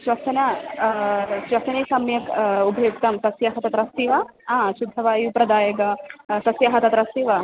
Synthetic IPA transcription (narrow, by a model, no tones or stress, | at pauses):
ʃʋɐsɐnɐ | ʃʋɐsɐniːsɐmjɐkubʱɐjuk̚t̪ɐmsɐsjɐɦɐt̪ɐt̪ɾɐsiʋɐaːʃud̪ʱːɐʋaːjupɾɐd̪aːjɐɡɐsɐsjɐɦɐt̪ɐt̪ɾɐst̪iːʋɐ